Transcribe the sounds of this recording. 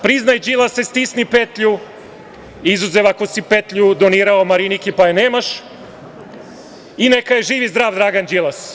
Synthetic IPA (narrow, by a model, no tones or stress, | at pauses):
pɾiznajd͡ʒilˠasest̪isnipet̪ʎu | izuzeʋako̞sipet̪ʎud̪oniːɾaomaɾinikipajeneːmaʃ | inekajeʒiːʋizd̪ɾaːʋd̪ɾaːɡand͡ʒilˠas